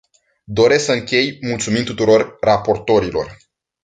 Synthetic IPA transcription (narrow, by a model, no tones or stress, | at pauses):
d̪o̞ɾe̞sksəɨŋkʲe̞jmult̪sumint̪ut̪uɾo̞rːapo̞rt̪o̞ɾilo̞̰r